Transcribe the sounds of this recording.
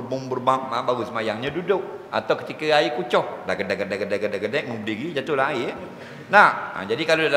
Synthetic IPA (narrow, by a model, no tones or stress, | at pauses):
bʊŋbərbaŋabaɾusəmajaŋɲadudʊk̚ʔa̰t̪awkət̪ikəaikut͡ʃɔhlaɡədɛɡədɛɡədaɡədaɡənɛk̚məmbədiɾid͡ʒat̪ʊhlaai | naha̰d͡ʒadikaloal